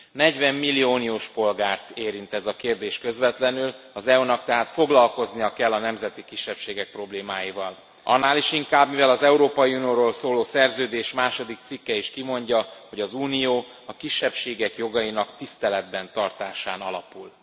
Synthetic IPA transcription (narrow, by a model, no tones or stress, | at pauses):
nɛɟvɛmːilːioːnijoːʃpo̞lɡaːrt̪eːɾint̪ɛzɒkeːrd̪eːʃkø̞zvɛt̪lɛnylɒzɛonɒkt̪ɛɦaːt̪fo̞ɡlɒlko̞znijɒkɛlːɒnɛmzɛt̪ikiʃːɛpʃeːɡɛk̚pro̞bleːmaːjivɒl | ʔɒ̰nːaːliʃiŋkaːbmivɛlɒzɛuɾoːpɒjiunijoːɾoːlsoːloːsɛrzøːd̪eːʃmaːʃo̞d̪ik̚t̪sikːɛiʃkimo̞ɲɟɒho̞ɟɒzuːnijoː | ɒkiʃːɛpʃeːɡɛkjo̞ɡɒjinɒkt̪ist̪ɛlɛd̪bɛnt̪ɒrt̪aːʃaːnɒ̰lɒ̰pul